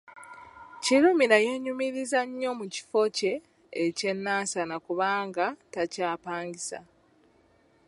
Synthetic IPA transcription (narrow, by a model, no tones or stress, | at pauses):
ciɾumiɾajeɲumiɾizaɲːo̞muci̥fo̞ce̞ː | ce̞nːaːsanakuβaːŋɡatacaːpaːɲɡisa̰